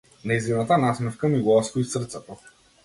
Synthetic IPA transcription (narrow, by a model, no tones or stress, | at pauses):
naizinat̪anasmɛfkamiɡlˠask̪ɔisrt̪sɛt̪ɔ